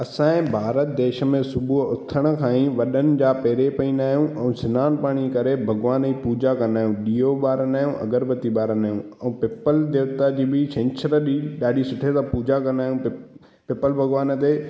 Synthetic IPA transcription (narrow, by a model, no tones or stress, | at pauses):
ɐsãːẽbʱaːɾət̪̚d̪eːʃə̆mẽsʊbʱuʊt̪ʰəɽ̃ə̆kʰãːĩʋɐɗənɪ̆d͡ʑaːpeːɾepɐĩːnd̪aːɦijũʔɛ̃ːsɪnaːnpaːɽ̃ikɐɾebʱɐɡʋaːnipuːd͡ʑakɐ̃nd̪aːɦjũɗiːoɓaːɾənaːjũʔɐ̰ɡəɾbət̪iɓaːɾənaːɦjũ | ɛ̃ːpɪpəld̪eːʋt̪ad͡ʑiːbɪʃɪ̃ɲt͡ɕʰəɾɗiɗaːɗʱisʊʈʰet̪apuːd͡ʑakɐ̃nd̪aːɦjũ | pɪpəlbʱɐɡʋaːnt̪eː